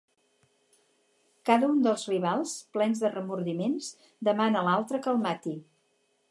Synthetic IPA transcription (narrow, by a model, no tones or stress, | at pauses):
kaðəund̪əlˠzriβ̞alˠsplɛnzðərəmuɾðimens | d̪əmanəlalˠt̪ɾəkəlˠmat̪i